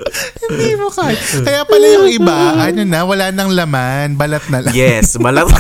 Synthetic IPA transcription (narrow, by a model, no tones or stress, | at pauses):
hɪnd̪iːmokaːjɪkɐjapɐlɐjʊŋʔɪbaʔɐnonɐwɐlaːnɐŋlɐmanbɐlɐt̪̚nɐlɐjɛsbɐlɐ